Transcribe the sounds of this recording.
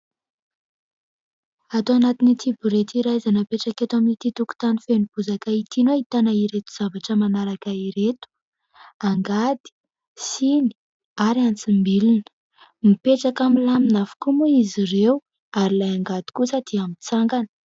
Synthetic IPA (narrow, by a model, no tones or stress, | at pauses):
at̪oanat̪init̪ʰibuɾet̪iɾajzanapeʈ͡ʂaket̪uaminit̪it̪uku̥t̪anifenib̥uzakait̪inoit̪anaiɾet̪u̥z̥avaʈ͡ʂəmanaɾakaiɾet̪u̥ | aŋɡad̪̥i̥ | sini̥ | aɾiant͡simbilinə̥ | mipeʈ͡ʂakamilaminafu̥kumuizirew | aɾilajaŋɡad̪̥i̥kusad̪̥iamit͡saŋɡanə̥